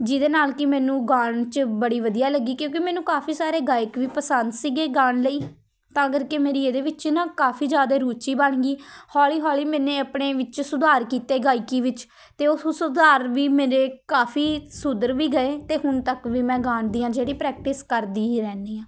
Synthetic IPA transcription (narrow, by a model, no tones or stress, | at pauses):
d͡ʒɪd̪eːnaːlkɪmɛ̃ːnũːɡaːɳt͡ʃbəɽiːʋəd̪ijaːləɡːiːkjõːkɪmɛːnũːkaːpʰiːsaːɾeːɡaːɪkʋiːpəsənd̪siːɡeːɡãːɳləiː | t̪ãːɡəɾkemeːɾiːeːd̪eːʋɪt͡ʃnãːkaːfʰiːd͡ʒjaːd̪aːɾuːt͡ʃiːbəɳɡiːhɔːliːɦɔːliːmɛːneːəpɳeːʋɪt͡ʃsʊd̪aːɾkiːt̪eːɡaːɪkiːʋɪt͡ʃ | t̪eːʊssʊd̪aːɾʋiːmeːɾeːkaːpʰiːsʊd̪əɾʋiːɡəeːt̪eːɦʊnt̪əkʋiːmɛ̃ːɡãːnd̪iːãːd͡ʒeːɽiːpɾɛːk̚ʈɪskəɾd̪iːɾɛːniːãː